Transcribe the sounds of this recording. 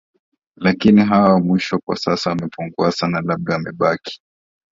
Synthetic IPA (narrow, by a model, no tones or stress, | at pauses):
lakiniɦawawamwiʃɔkwa̰sasaamɛpuŋɡuasanalaɓ̚ɗaːmɛɓaki̥